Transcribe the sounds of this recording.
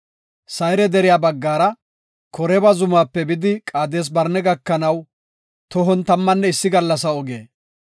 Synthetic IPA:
sɐjɾɛd̪ɛɾɪjaːbɐɡːaːɾɐ | kɔɾɛbɐzʊmaːpːɛbɪd̪ɪkʼaːd̪e̞ːs̬bɐɾnɛɡɐkːɐnɐw | t̪ɔɦɔnt̪ɐmːɐnːɛɪsːɪɡɐlːɐs̬ɐɔɡḛː

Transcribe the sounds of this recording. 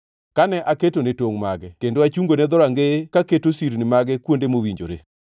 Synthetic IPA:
kanɛʔaketonetoŋma̰ɡɛkendoat͡ʃuŋɡonɛd̪ɔɾaŋɡekaketosiɾnɪmaɡɛkwondemowiɲd͡ʒo̰ɾḛ

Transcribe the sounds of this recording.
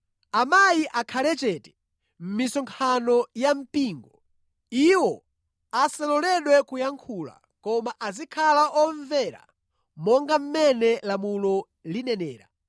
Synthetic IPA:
amajiʔakʰalɛt͡ʃɛːtɛ̥ | m̩misɔŋkʰanɔjam̩piːŋɡɔ | iwɔ | asalɔlɛɗwɛkujaŋkʰuːla̰ | kɔmaʔazikʰalaʔɔɱvɛɾa̰ | mɔŋɡam̩mɛnɛlamulɔ | linɛnɛːɾa̰

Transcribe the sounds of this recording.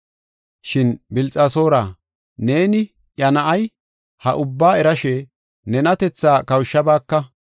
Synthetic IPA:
ʃɪnbɪlt͡sʼaso̞ːɾaː | ne̞ːnɪ | jɐnɐʔɐj | hɐ̰ʔʊbːaːɛɾɐʃɛ | nɛnɐt̪ɛt͡sːaːkɐwʃːɐbaːkːɐ

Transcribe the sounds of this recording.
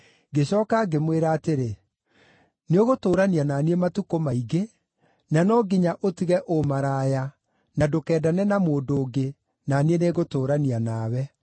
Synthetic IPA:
ɡeɕɔːkaɡemweɾaːteɾe | neoɣotoːɾaniananiematukomaiɣe | nanɔɡiɲaʔotiɣɛʔomaɾaːja | nadokɛːdanɛnamoːndoːɡe | nanieneɣotoːɾanianaːwɛ

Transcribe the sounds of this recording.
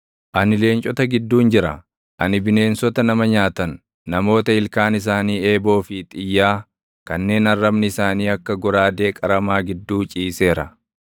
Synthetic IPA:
ʔɐnɪle̞ːnt͡ʃʼɔt̪ɐɡɪd̪ːuːnd͡ʒɪɾɐ̰ | ʔɐ̰nɪbɪne̞ːnsɔt̪ɐnɐmɐɲaːt̪ɐnː | ɐmo̞ːt̪ɐɪlkaːnɪs̬aːniːe̞ːbo̞ːfɪt̪ʼɪjːaː | kɐnːe̞ːnɐrːɐbnɪɪsaːniːɐkːɐɡɔɾaːd̪e̞ːkʼɐɾɐmaːɡɪd̪ːuːt͡ʃʼiːse̞ːɾɐ̰

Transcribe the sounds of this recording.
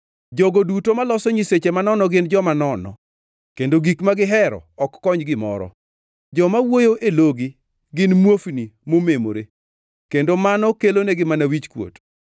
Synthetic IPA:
d͡ʒɔɡodutomalɔsɔɲiset͡ʃemanɔnɔɡɪnd͡ʒɔmanɔnɔ̰ | kendoɡikmaɡɪɦɛɾɔ̰ɔkːɔɲɡɪmɔ̰ɾɔ̰ | d͡ʒɔmawojoʔeloɡi | ɡɪnmwofnimomemo̰ɾe | kendomanɔkeloneɡɪmanawit͡ʃkwo̰t

